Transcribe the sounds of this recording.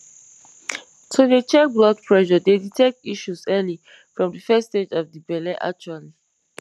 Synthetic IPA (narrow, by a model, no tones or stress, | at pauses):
tʰuðet͡ʃɛblɔd̚pʰɹɛʃɔdeditʰɛk̚tiʃuzɛli | fɹɔ̃mdəfɛsted͡ʒɔvdibɛlɛʔa̰k̚t͡ʃuali